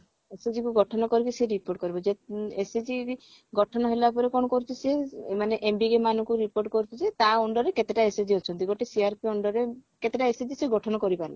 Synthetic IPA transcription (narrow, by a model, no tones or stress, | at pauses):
esed͡ʒikuɡɔʈʰɔnɔkɔɾikiseɾipoɾʈ̚kɔɾibɔd͡ʒeesed͡ʒi | ɡɔʈʰɔnɔɦelapɔɾekɔɳɔkɔɾt͡ʃʰiseemaneʔembiɡemanukuɾipoɾʈkɔɾt͡ʃʰisʰet̪aɔɳɖɔɾeket̪eʈaesed͡ʒiɦot͡ʃʰɔnt̪iɡɔʈesiaɾpiɔɳɖɔɾeket̪eʈaesed͡ʒiseɡɔʈʰɔnɔkɔɾipaɾla̰